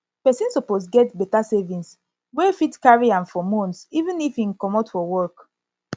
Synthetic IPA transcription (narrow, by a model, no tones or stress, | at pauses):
pɛsĩnsɔposɡɛtbɛtasɛvĩns | wɛfitkaɹiãmfɔmɔ̃nsivũnifĩnkɔmɔtfɔwɔk